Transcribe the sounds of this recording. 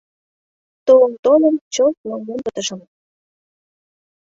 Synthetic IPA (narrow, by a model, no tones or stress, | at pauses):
t̪oləmt̪onəmt͡ɕot̪̚lɑŋɡompət̪əʃə̆m